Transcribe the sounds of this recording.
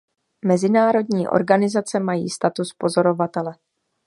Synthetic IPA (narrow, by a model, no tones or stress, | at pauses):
mɛzɪnaːɾo̞dɲiːʔo̞̰ɾɡanɪzat͡sɛmajḭːst̪at̪uspo̞zo̞ɾo̞vat̪ɛlɛ